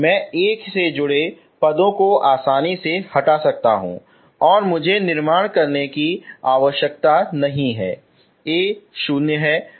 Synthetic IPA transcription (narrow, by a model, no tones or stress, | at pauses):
mɛ̃ːeːksed͡ʒʊɽe | pɐd̪õkoʔaːsaːnisehɐʈasɐk̚t̪a̰ɦṵ̃ː | ɔːɾmʊd͡ʒʱenɪɾmaːɽ̃kɐɾnekiaːʋəʃjək̚t̪anɐɦĩɦɛː | eːʃʊːnjəɦɛː